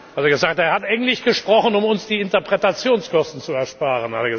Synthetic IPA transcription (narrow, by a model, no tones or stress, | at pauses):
hateːɐɡəzaːk̚teːɐhatʔaɪɡŋ̩tlɪçɡ̥əʃpʁ̥ɔχənʊmʊnsd̥iːɪntɐpʁ̥ɛtat͡sjoːnskɔstn̩t͡suɛɐʃpaːʁənha̰teɐɡə